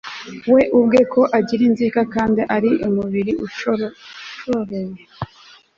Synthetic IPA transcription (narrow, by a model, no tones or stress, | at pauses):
we̞ʔub̚ɡe̞kʰo̞ʔaɟiɾinziːkakaːndiʔaɾiʔumuβiɾiu | ʃoɾoje